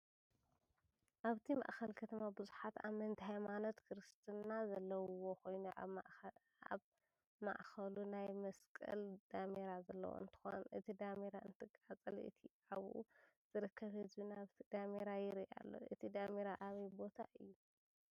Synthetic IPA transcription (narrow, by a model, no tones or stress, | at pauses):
ʔaβt̪ʰimɐ̰ʔxɐlkʰɐt̪ʰɐmabɨzuħat̪a̰mɐnt̪ʰhajmano̞t̪kʰɾɨst̪ʰɨnazɐlːɐwwo̞kʰo̞jnuʔaʔ | aβ | ma̰ʔxɐlunajmɐskʼɨ̰ld̪̥ameɾazɐlːɐ̰wo̰ɨ̰nt̪ʰɨ̥xo̞̰nʔɨt̪ʰid̪ameɾaɨnt̪ʰɨkʼat͡sʼɨlɨ̰t̪ʰi | aβṵz̥ɨɾɨkʰːɐβhɨzbinaβt̪ʰid̪̥ameɾajɪɾiʔa̰lːo̞̰ʔɨt̪ʰid̪ameɾaʔaβɐjbo̞t̪ʰaʔɨjːu